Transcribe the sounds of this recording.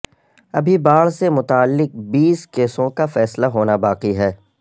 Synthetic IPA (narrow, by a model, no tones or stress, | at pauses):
ɐbʱibaːɽsemʊt̪aːlːɪq̚biːskeːsõkafɛːslaɦoːnabaːqiɦɛː